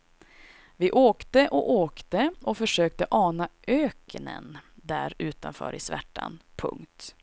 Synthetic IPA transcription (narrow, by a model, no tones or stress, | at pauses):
vɪʔoːkt̪əʔɔʔoːkt̪əɔfœʂøːk̚t̪əʔɑːnaʔøːknə̰nd̪æɾʉ̟ːt̪anfœ̰ːɾɪsvæ̰ʈːa̰npʰɵ̰ŋkt̪